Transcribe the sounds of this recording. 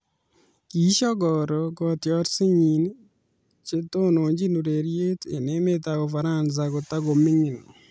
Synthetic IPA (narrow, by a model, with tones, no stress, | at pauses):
ki˨˦ʃɔ˦ɡɔ˨ɾɔ˨ɡɔ˦tjɔ˦ɾsɪ˦ɲi˨n˦ | t͡ʃe˦to˦no˨ɲd͡ʒi˦nu˨ɾe˨ɾje˦tḛ˨ne˦me˦ta˨ɡo˨fa˨ɾa˦˨nza˨ɡo˨t̪a˦ɡo˨mɪ˦ŋɪ˨nɔ̰˨